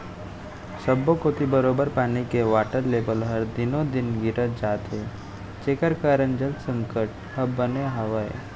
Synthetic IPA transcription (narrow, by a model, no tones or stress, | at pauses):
səbːokot̪ibəɾoːbəɾpaːnikeʋaːʈəɾleːbəlɦəɾd̪ɪnod̪ɪnɡiɾət̪̚d͡ʒaːt̪e | t͡ʃeːkəɾkaːɾənd͡ʒəlt̪sə̃ŋkəʈ̚ | ɐbːəneɦəʋəjḛ